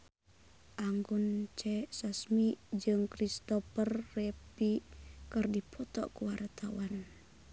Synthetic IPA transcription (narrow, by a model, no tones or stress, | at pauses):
ʔaŋɡunt͡ʃɛsasmid͡ʒɨŋkɾist̪ɔpərːɛpikɨrdipʰɔt̪ɔ̰ʔkuwart̪ʰawan